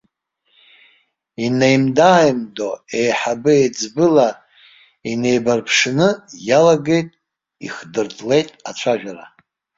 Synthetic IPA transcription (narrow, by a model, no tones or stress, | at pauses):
inejmdaːjmdo̞ejħabɨejd͡zbɨla | ine̞jbarpʰʂnɨjalaɡe̞jtʼ | ḭχdɨrtʰʼle̞jtʼat͡ʃʷʰaʒᶣara̰